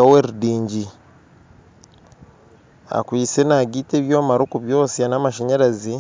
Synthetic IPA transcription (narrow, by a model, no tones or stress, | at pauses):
aweɾudiːɲɟi | a̰kwiːsenaɡiːteːβjo̞ːmaɾukuβjo̞ːsianamaʃeɲeɾazi